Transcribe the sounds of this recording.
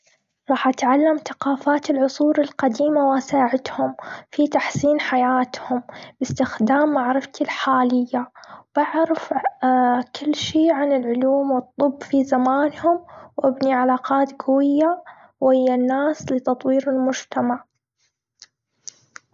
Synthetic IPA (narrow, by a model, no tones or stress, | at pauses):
ɾˤɑːħʔat̪ʕalːamθaqɑːfaːt̪ɪlʕʊsˤuːɾɪlqad̪iːmawʔasaːʕɪt̪hʊmfit̪aħsiːnħajaːt̪hʊmbɪst̪ɪxd̪aːmːaʕɾɪft̪ilħaːlɪjːab̥aʕɾaf | kɪlːʃiːʕanɪlʕʊluːmwɨt̪ˤːʊbːfizamaːnhʊmwʔɪbniʕalaːqɑːt̪ɡʊwɪjːa | whɪjːanːaːslɪt̪ɑt̪ˤwiːɾɪlmʊd͡ʒt̪amaʕ